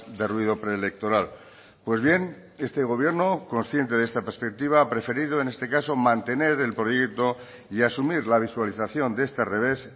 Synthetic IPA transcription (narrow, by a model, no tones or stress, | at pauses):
d̪e̞rwiðopɾeːlek̚t̪o̞ɾal | pwe̞zβje̞n | e̞st̪e̞ɣ̞o̞β̞je̞ɾno̞ko̞nsθje̞nt̪e̞ðest̪apespe̞k̚t̪iβ̞aapɾe̞fe̞ɾiðoene̞st̪e̞kaso̞mãnt̪e̞ne̞ɾe̞lpɾo̞jek̚t̪o̞ | iasumiɾlaβ̞iswaliθaθjo̞nd̪ee̞st̪ere̞β̞e̞s